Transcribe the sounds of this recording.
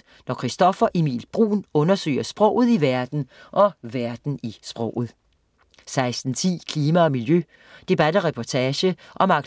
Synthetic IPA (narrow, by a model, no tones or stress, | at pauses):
nɒkʰʁisd̥ɒ̽fɐʔemḭːlb̥ʁṵːnɔ̽nɐsø̰ɪɐsb̥ʁɔ̰ʊ̰ð̞̩ˠiʋæɐd̥n̩ʔɒ̽ʋæɐd̥n̩isb̥ʁɔ̰ʊ̰ð̞̩ˠ | sɑ̈ɪsd̥n̩t͡sʰḭːkʰliːmæɒ̽miljø | d̥e̝b̥æd̥əʁɛpʰɒt͡sʰɛːɕəʔɒ̽mɑ̈ɡ̥